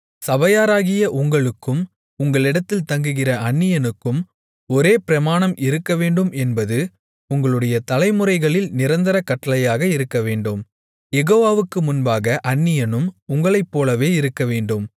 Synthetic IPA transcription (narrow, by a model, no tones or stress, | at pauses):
sɐʋɐjaːɾaːɣɪjɐʔʊŋɡɐɭɯkːɯm | ʊŋɡɐɭɪɽɐt̪ːɪlt̪ɐŋɡɯɣɪrɐɐɳːɪjɐnɯkːɯm | ɔɾeːpɪɾɐmaːɳɐmɪɾɯkːɐʋeːɳɖɯmɛnbɐðɯ | ʊŋɡɐɭɯɽɐjɐt̪ɐlɐɪmɯrɐɪɣɐɭɪlnɪɾɐnd̪ɐɾɐkːɐʈːɐlɐjaːɣɐɪɾɯkːɐʋeːɳɖɯm | jɛɣoːʋaːʋɯkːɯmʊnbaːɣɐʔɐɳːɪjɐnɯmʊŋɡɐɭɐɪpːoːlɐʋeːɪɾɯkːɐʋeːɳɖɯm